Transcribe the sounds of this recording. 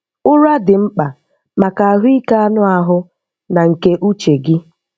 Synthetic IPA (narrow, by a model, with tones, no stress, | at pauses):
ʊ˦ɾa˦dɪ˨ŋ͡m̩˦k͡pa˨ | ma˨ka˨a˨ɦʊ˦i˦ka˦a˦nʊ˦a˦ɦʊ˦ | na˨ŋ̩˨ke˦ʔu˦t͡ʃe˨ɡɪ˦